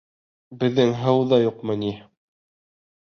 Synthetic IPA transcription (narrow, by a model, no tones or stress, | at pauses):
bɘ̆ðːɘŋɦɤ̆wðɑjuqmɤ̆ni